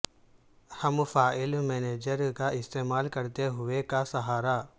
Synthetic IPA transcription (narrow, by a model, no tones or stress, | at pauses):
hɐmfaːɪlmeːneːd͡ʒəɾkaɪst̪eːmaːlkɐɾt̪eɦʊʋekasɐɦaːɾa